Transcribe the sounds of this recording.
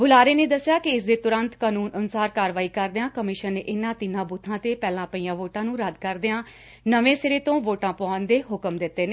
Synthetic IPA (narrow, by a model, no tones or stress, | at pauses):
bʊlaːɾeːneːd̪əsːɪjaːkɪɪsd̪eːt̪ʊɾənt̪kaːnuːnʔənʊsaːɾkaːɾʋaːiːkəɾd̪ɪãːkəmɪʃənːḛːʔɪnːãːt̪ɪnãːbut̪ʰːãːt̪eːpɛːlãːpəiːãːʋoːʈãːnũːɾəd̪kəɾd̪ɪãː | nəʋẽːseːɾeːt̪õːʋoːʈãːpʊãːnd̪eːɦʊkəmd̪ɪt̪ːeːneː